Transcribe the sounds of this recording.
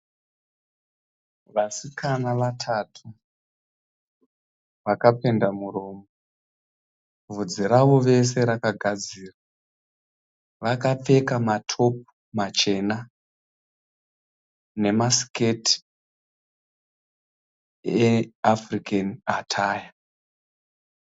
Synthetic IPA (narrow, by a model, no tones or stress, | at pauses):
ʋasikanaʋatʰatʰu | ʋakape̞ndamuroːmo | vud͡ziɾaʋo̞ʋe̞s̬e̞ɾakaɡʱad͡ziːra | ʋakap͡fe̞kamatʰo̞p̚u̥ | mat͡ʃe̞na | ne̞masi̥keti̥ | eafrikanatʰaːja